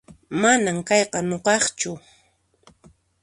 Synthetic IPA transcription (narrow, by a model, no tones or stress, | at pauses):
manamkɑjqɑnoqɑχt͡ʃʊ